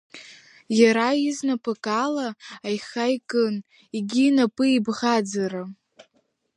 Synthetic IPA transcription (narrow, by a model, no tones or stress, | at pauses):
jaɾaiznapʰʼɨkʼalaːjχajkʼɨn | iɡʲiːnapʼɨibʁad͡zaɾa